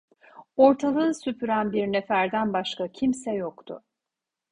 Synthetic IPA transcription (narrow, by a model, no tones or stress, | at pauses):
o̞ɾt̪ʰalˠɯːsypʰyɾænbiɾnefæɾd̪ænbaʃkacʰimsɛjokt̪ʰʊ̰